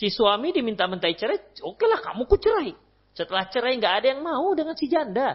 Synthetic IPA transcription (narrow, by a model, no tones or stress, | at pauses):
sisuamidimint̪amənt̪ait͡ʃəɾajokelahka̰mukut͡ʃəɾaj | sət̪əlaht͡ʃəɾajŋɡaːdajaŋmaudəŋansid͡ʒanda